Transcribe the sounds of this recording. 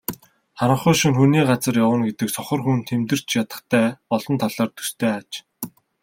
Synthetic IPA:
χaɾə̆χʊːjʃĭŋxuniːɢat͡sə̆rjawə̆nɡet̪ɘ̆ksɔχɞ̆rxunt̪ʰːemt̪ɘ̆r̥t͡ɕjat̪ə̆χt̪ʰæːɔɮɞ̆nt̪ʰaɮaːrt̪ʰu̥st̪ʰeːat͡ɕ

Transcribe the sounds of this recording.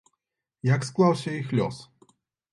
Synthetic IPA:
jaksklˠawɕɛixlʲɔ̰s

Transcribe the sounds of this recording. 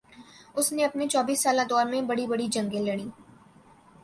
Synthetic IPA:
ʊsneɐpnet͡ʃɔːbiːsːaːlad̪ɔːɾmẽbɐɽibɐɽid͡ʒɐ̃ŋɡelɐɽ̃iː

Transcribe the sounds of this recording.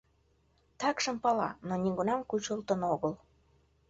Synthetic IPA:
t̪ɑkʃə̆mpɑlɑnoniɡunɑmkut͡ɕolt̪ə̆noɣəl

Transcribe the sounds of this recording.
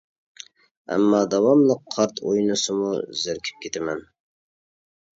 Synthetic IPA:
æ̰mːɑːd̪ɑwɑmlˠəqʰːɑɾt̪ʰo̰jnɨsɨmuzɪɾkʲʰi̥p̚kʲet̪ʰɪmɛn

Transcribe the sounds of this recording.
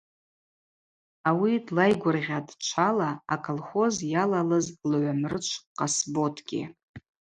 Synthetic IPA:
awidlajɡʷʊrʁʲadʰʼt͡ʃʷʰalaːkʰʼolχo̞zjalalɨzlʕʷamrɨt͡ʃʷʰqʼasbo̞tʰɡʲɪ̰

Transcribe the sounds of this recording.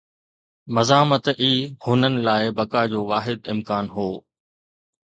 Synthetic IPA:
mɐzaːmət̪iːhʊnənɪ̆laːɪbɐkad͡ʑoːʋaːɦɪd̪ɪmkaːnɦoː

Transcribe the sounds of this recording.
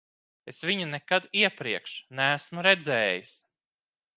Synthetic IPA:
esvʲiɲunekad̪iɛpɾiɛkʃnææsmuɾɛd̪zɛːjis

